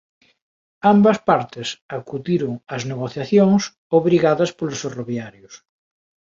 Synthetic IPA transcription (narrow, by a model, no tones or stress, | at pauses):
ambɐspaɾt̪ɪsakuðiɾʊŋɐzneɣoθjaθjoŋs | oβɾiɣaðɐspolʊsferoβjaɾjʊs